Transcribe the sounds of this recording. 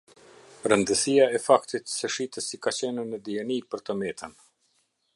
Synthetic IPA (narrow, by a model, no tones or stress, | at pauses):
ɾənd̪əsijaɛfakt̪it̪sɛʃit̪əsikat͡ɕɛnənəd̪iɛnipəɾt̪əmɛt̪ən